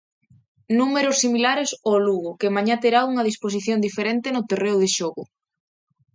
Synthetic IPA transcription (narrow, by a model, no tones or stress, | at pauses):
numeɾʊsːimilaɾesoluɣʊkemaɲat̪eɾauŋɐðispos̬iθjond̪ifeɾent̪enot̪ereʊðeʃɔɣʊ